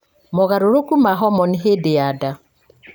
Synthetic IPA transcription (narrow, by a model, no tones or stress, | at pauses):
mɔɣaɾoɾokumaɦɔmɔniɦedeada